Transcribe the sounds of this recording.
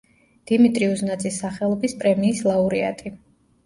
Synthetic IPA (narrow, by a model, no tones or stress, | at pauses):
d̪̥imit̪ʼɾiuznad̪sʼisːaχɛlˠɔbispʼɾɛmiːslˠauɾia̰t̪ʼi